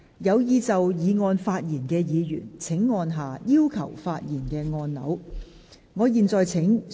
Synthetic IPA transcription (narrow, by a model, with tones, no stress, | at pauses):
jɐ˨˧wjiː˧t͡sɐ˨wjiː˨˧ŋɔː˧nfaː˧t̚jiː˨˩nkɛː˧jiː˨˧jy̰ː˨˩nt͡sʰɪ˨˥ŋːɔː˧nɦaː˨˩jiː˥wkʰɐ̰˨˩wfaː˧t̚jiː˨˩nkɛː˧ŋɔː˧nlɐ̰˨˥w | ŋɔː˨˧jiː˨nt͡sɔː˨jt͡sʰɪ˨˥ŋ